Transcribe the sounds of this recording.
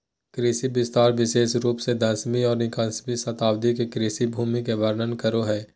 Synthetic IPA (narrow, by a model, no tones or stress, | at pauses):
kɾiːsibɪst̪aːɾʋɪʃeːʃɾuːpsed̪ɐːsmiɔːɾnɪkãːsmisɐt̪aːbd̪ikekɾiːsibʱuːmikeʋəɾnənkəɾoɦɛː